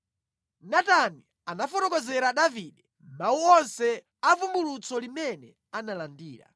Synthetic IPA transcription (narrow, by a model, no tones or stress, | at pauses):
natani | anafɔtɔkɔzɛɾaɗaviɗɛ | mauɔnsɛ | avumbulut͡sɔlimɛnɛ | analandiːɾa̰